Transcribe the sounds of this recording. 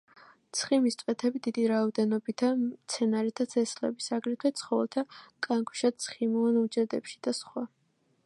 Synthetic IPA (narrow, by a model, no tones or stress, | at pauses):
t̪sʰχimist̪sʼvʼɛt̪ʰɛbid̪id̪iɾaɔd̪ɛnɔbit̪ʰat̪sʰɛnaɾit̪ʰat̪sʰɛslɛ̰bisaɡɾit̪ʰwɛt̪sʰχɔvɛlˠt̪ʰakʼaŋkʰu̥ʃat̪sʰχimanud͡ʒɛd̪ɛpʃi̥d̪̥asχwa